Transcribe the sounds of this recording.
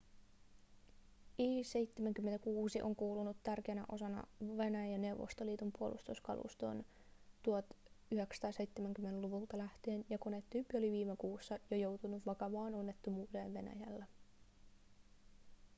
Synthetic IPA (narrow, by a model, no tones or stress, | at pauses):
iːse̞jt̪ːemæŋkymːenækuːsiʔo̞̰ŋkuːlunut̪ːærkeænæʔo̞sɑnɑ̰ʋe̞næjæne̞wʋo̰st̪oliːt̪umpuo̞̰lʔṵst̪uskɑ̰lʔṵst̪o̞̰n | t̪uot̪yɦeksɑ̥t̪ɑːse̞jt̪ːemæŋk̟ymːeneluʋult̪ɑlæht̪ienjɑkonet̪ːyːpːio̞liʋiːmekuːsːɑjojo̞wt̪unuʋɑkɑʋɑːono̞nːe̞t̪ːumuːde̞ːnʋe̞næ̰jælːæ